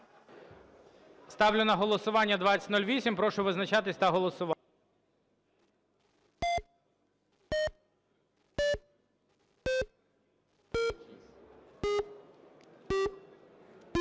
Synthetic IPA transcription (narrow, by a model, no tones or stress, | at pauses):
st̪ɑwlʲʊnɐɦɔlˠɔsʊʋɑnʲːɐd̪ʋɑt͡sʲɐ̥tʲnɔlʲʋʲisʲimpɾɔʃʊʋɪznɐt͡ʃɑt̪ɪsʲt̪ɐɦɔlˠɔsʊʋ